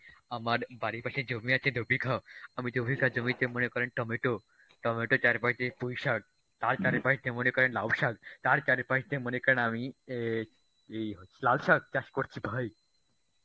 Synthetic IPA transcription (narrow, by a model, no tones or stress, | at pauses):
amaɾbaɾipaʃed͡ʒomiat͡ʃʰed̪ʱobʱikʰaamid̪ʱobʱikʰad͡ʒomit̪emənekɔɾenʈɔmeʈo | ʈɔmeʈot͡ʃaɾepaʃt̪epujʃaɡ̚ | t̪aɾt͡ʃaɾepaʃt̪emənekɔɾenlawʃaɡt̪aɾt͡ʃaɾepaʃt̪emənekəɾnami | eɦolalʃaɡ̚t͡ʃaʃkoɾt͡ʃʰibʱaj